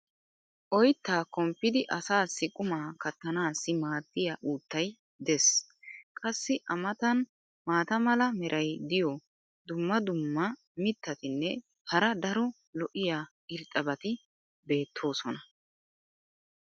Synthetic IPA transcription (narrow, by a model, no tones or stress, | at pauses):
ʔɔjt̪ːaːkɔmpːɪd̪ɪʔɐsaːsːɪkʼʊmaːkɐt̪ːɐnaːsːɪmaːd̪ːɪjaːʔuːt̪ːɐj | d̪ɛs | kʼɐsːɪʔɐmɐt̪ɐn | maːt̪ɐmɐlɐmɛɾʔɐjd̪ɪjɔ | d̪ʊmːɐd̪ʊmːɐ | mɪt̪ːɐt̪ɪnːɛ | hɐɾɐd̪ɐɾɔ | lɔʔɪjaː | ɪɾt̪ʼːɐbɐt̪ɪ | be̞ːt̪ʰːo̞ːsɔnɐ